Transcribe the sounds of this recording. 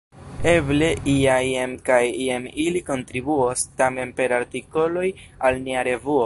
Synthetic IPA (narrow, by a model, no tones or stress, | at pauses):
e̞ble̞ʔiajemkajiemiliko̞ntɾibuostame̞npe̞ɾaɾtiko̞lo̞j | alniaɾe̞vuo